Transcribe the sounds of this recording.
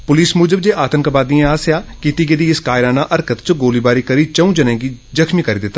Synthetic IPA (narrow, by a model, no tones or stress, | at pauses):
pʊliːsmʊːd͡ʒəb̚d͡ʒeːʔaːt̪ənkəbaːd̪iãaːsjaːkit̪iːɡɪd̪iːɪskaːɪɾaːnaːʔəɾkət̪t͡ʃɡoːliːbaːɾiːkəɾiːt͡ʃəũːd͡ʒənẽːɡiːzəkʰmiːkəɾiːd̪ɪt̪ːa